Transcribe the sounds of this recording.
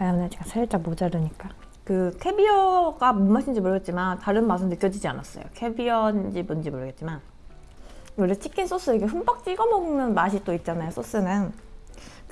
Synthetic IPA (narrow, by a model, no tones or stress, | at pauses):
anat͡ɕiŋkasʰeɯt͡ɕ͈abod͡ʑadɯɲik͈a | kɯkʰe̞biʌɡamonmaɕʰind͡ʑimoɭjʌɡet̚t͡ɕ͈imantaɾɯnmasʰɯnɯkjʌd͡ʑid͡ʑia̰na̰s͈ʌ̰jo̰kʰe̞biʌnd͡ʑibund͡ʑimoɾʌɡet̚t͡ɕ͈iman | oɾet͡ɕ͈ikʰins͈ʰos͈ɯiɡeɸumpak̚t͡ɕ͈iɡʌmʌɡɯnɯnmaɕ̬ʰit͈oit̚t͡ɕ͈anajosʰos͈ɯnɯn | k